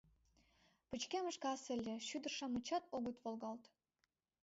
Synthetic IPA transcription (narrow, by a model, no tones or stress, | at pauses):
pə̆t͡ɕkemə̆ʃkɑsɘ̆lʲːĕʃyd̪ərʃɑmət͡ɕɑt̪oɣət̪volˠɣɑlt̪